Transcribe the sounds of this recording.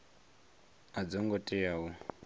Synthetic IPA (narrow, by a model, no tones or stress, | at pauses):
ad͡zɔŋɡɔtʼɛjawɔ